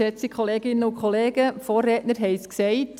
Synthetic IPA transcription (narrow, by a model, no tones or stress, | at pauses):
ɛt͡sikχɔleːɡɪnːəʊkχɔleːɡ̥əfoːrɛːtnəɾɦɛɪsksɛɪt